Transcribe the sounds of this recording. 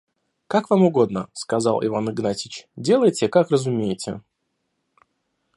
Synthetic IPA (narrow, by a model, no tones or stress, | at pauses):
kakvamʊɡo̞d̪nəskɐzɑlˠʔɪ̰vanɨɡnatʲɪt͡ɕdʲe̞lˠəjtʲɪkakrəzʊmʲejɪtʲɪ̰